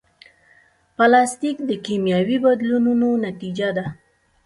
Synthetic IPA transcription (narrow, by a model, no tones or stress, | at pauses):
palɑst̪ikd̪əkemjɑwibad̪lununonat̪id͡ʒad̪a